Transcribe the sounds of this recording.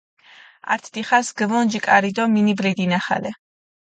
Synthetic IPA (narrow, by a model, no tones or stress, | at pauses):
a̰ɾt̪ʰd̪̥iχasɡɛvɔnd͡ʒikʼaɾid̪ɔminibɾid̪inaχa̰lɛ